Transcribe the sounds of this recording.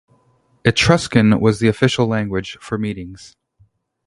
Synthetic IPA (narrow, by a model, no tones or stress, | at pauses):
ɨtʰɹ̥ʌskɨ̃nwʌzðiɨfɪʃl̩ˠlæ̃ŋɡwɨd̥ʒ̥fə˞miɾɪ̃ŋz̥